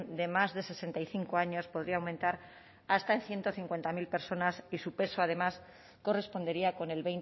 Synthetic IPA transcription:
d̪e̞mazðe̞se̞se̞nt̪ajθiŋkoaɲo̞spo̞ð̞ɾiawmẽnt̪aɾ | ast̪aenθje̞nt̪o̞θiŋkwe̞nt̪amilpe̞ɾso̞nasisupe̞soað̞e̞mas | ko̞re̞spo̞nd̪e̞ɾiako̞ne̞lβe̞jn

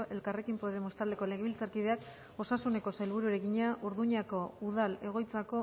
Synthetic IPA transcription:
ʔe̞lkare̞kimpoðe̞most̪ald̪e̞ko̞le̞ɣeβilt͡saɾkiðe̞ak | o̞sasune̞ko̞sajlβ̞uɾueɾeɣiɲaʔuɾðuɲako̞uð̞ale̞ɣ̞o̞jt͡sako̞

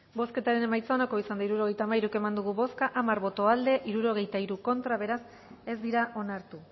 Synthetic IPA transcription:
bo̞ske̞t̪aɾe̞ne̞majt͡saonako̞isand̪aiɾuɾo̞ɣ̞e̞jt̪aːmaiɾuke̞mand̪uɣ̞uβo̞skaʔamaɾβo̞t̪o̞ald̪e̞ʔiɾuɾo̞ɣ̞e̞jt̪aiɾuko̞nt̪ɾaβ̞e̞ɾas | e̞zd̪iɾaʔo̞naɾt̪u

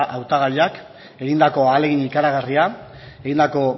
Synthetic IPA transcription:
ʔawt̪aɣaʎak | e̞ɣind̪ako̞aːle̞ɣiɲikaɾaɣaria | eɣind̪ako̞

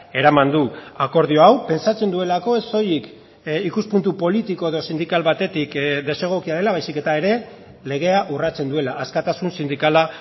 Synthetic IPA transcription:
e̞ɾamand̪uako̞ɾð̞ioawpe̞nsat͡se̞nd̪ue̞lako̞eso̞jik | ikuspunt̪upo̞lit̪iko̞eð̞o̞sind̪ikalβat̪e̞t̪ikd̪e̞se̞ɣ̞o̞kiað̞e̞laβajsike̞t̪ae̞ɾe̞ | le̞ɣ̞e̞aʔurat͡se̞nd̪ue̞laʔːskat̪asunsind̪ikala

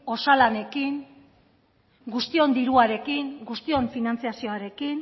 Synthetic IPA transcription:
o̞salane̞kiŋ | ɡust̪io̞nd̪iɾuaɾe̞kiŋɡust̪io̞ɱfinant͡siasio̞aɾe̞kin

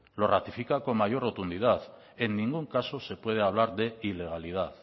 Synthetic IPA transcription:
lo̞rat̪ifikako̞ŋmaʝo̞rot̪und̪ið̞aθ | e̞nːĩŋɡuŋkaso̞se̞pwe̞ð̞e̞aβ̞laɾðe̞ile̞ɣ̞alið̞aθ

